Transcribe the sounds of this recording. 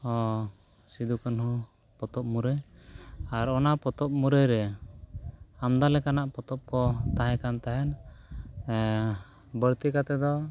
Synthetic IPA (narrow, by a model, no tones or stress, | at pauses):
ɔ | sid̪ukanhũ | pɔt̪ɔp̚muɾɛj | aɾɔnapɔt̪ɔp̚muɾɛjɾɛ | amd̪alɛkanaʔpɔt̪ɔp̚kɔt̪aɦɛ̃kant̪aɦɛn | bəɽt̪ikat̪ɛd̪ɔ